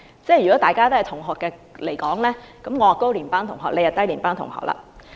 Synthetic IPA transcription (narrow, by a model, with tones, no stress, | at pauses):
t͡sɛː˥˩jy˨kɔ˨˦˥t̪aː˨jkaː˥t̪o˥hɐ˨jt̪ʰʊ˨˩ŋɦɔː˨˩kːɛː˧le˨˩jkɔː˨˥ŋlɛː˥ | kɐ˨˦mŋɔ˨˧waː˨˩kːo˥wliː˨˩npaː˥ŋt̪ʰʊ˨˩ŋɦɔː˨k̚le˨˧jɐ˨˩t̪ɐ˥jliː˨˩npaː˥ŋt̪ʊ˨˩ŋhɔ̰ː˨k̚la̰ː˨